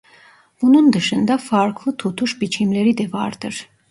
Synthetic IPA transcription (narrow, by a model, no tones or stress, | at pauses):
b̥unund̪ɯʃɯnd̪ɑfɑɾkʰlˠɯt̪ʰut̪ʰuʃbit͡ʃʰimleɾid̪ɛvɑ̰ɾd̪ɯɾ